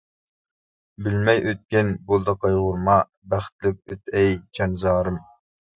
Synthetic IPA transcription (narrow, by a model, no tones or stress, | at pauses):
bɪlmɛjʔøt̪̚kʲɛnbolˠd̪ɑqɑjʁʊɾmɑ | bæχt̪lɪk̚ʲøt̪̚ʰɛjt͡ʃʰɑnzɑːɾɨm